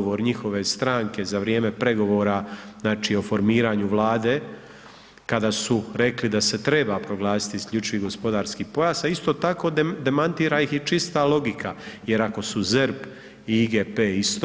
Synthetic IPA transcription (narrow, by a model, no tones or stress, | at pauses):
ʋo̞ɾɲixo̞ʋe̞st̪ɾaːŋke̞zaʋɾje̞ːme̞pɾe̞ɡo̞ʋo̞ːɾaznaːt͡ʃio̞fo̞ɾmiːɾaːɲuʋlˠaːd̪e̞ | kad̪asuɾe̞klid̪ase̞t̪ɾe̞bapɾo̞ɡlˠaːsi̥t̪iːskʎʲut͡ʃiʋiɡo̞spo̞d̪aːɾskiːpo̞jaːsaist̪o̞ːt̪ako̞ːd̪d̪e̞mant̪iːɾaixit͡ʃist̪alo̞ɡikʰaje̞ɾako̞suzɛɾp | iɡepeːist̪